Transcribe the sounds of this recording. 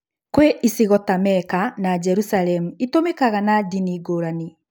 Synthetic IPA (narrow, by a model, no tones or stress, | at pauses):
kweʔisiɣɔtamɛkanad͡ʒɛɾusalɛmuitomekaɣanadiniɡoːɾani